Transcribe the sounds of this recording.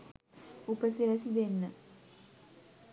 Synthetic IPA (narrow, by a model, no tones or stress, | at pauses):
upəsiɾəsid̪enːə